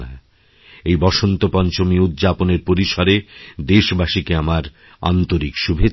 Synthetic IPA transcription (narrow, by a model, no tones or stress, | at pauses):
a | ejbɔʃont̪opɔnt͡ɕomiud̪d͡ʑaponeɾpoɾiʃaɾed̪eʃbaʃikeamaɾ | a̰nt̪oɾikʃubʱe